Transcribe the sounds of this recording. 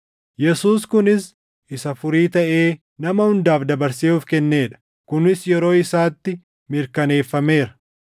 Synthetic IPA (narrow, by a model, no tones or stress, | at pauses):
jɛsuːskʊnɪs | ʔɪsɐfʊɾiːt̪ɐʔe̞ː | nɐmɐhʊnd̪aːfd̪ɐbɐɾsiuːfkɛnːe̞ːᶑɐ̥ | kʊnɪsjɛɾo̞ːɪsaːt̪ːɪ | mɪɾkɐne̞ːfːɐme̞ːɾɐ̥